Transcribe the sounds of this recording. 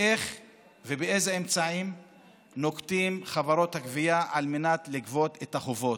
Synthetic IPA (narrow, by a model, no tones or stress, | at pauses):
ʔeχ | vebeezeemt͡saim | no̞kt̪imχavaɾo̞t̪hakviaʔalmenat̪likvo̞t̪et̪aχovo̞t